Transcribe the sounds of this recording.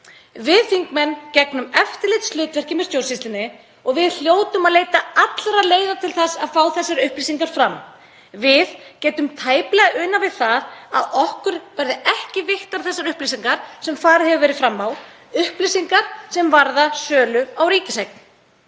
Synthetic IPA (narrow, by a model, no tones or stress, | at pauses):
vɪðfiŋkmɛnːcɛknʏmɛft̪ɪɾlɪjt̪stlʏːt̪vɛr̥cɪmɛðst̪jowrsist̪ɪnːɪ | ɔɣvɪðl̥joːwt̪ʏmaðleːjt̪aat̪lɾaleːjðat̪ʰɪlθasaðfaːwθɛsːaɾʏhplisiŋkaɾ̥fɾam | vɪðcɛːt̪ʏmt̪ʰaːjplɛɣaʔʏːnavɪðθaða̰ðɔhkʏɾ̥vɛɾðɪɛhcɪvɪht̪aɾ̥θɛsːaɾʏhplisiŋkaɾ̥sɛmfaːɾɪðhɛvʏvɛːɾɪðfɾamːaw | ʏhplisiŋkaɾ̥sɛmvaɾðasœːlʏawɾiːc̪ɪsajk̚n